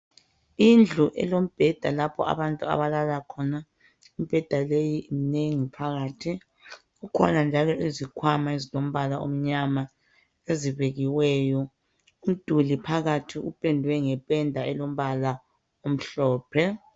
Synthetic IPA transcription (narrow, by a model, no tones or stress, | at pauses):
ind͡ɮʱuʔɛ̰lom̩b̥ʱɛd̥ʱalapʰɔ̰a̰βantʼua̰βalalakʰɔna | im̩b̥ʱɛd̥ʱalejiʔineŋipʰaɣaːtʰi | ɣukʰɔ̰nand͡ʒʱalɔʔezikʰwamaezilom̩βalao̰m̩ɲama | eziβeɣiwɛːjɔ | um̩d̥ʱulipʰaɣatʰiʔupʼɛndʱwɛŋɛpʼɛndʱaɛlom̩βala | om̩ɬɔːpʰɛ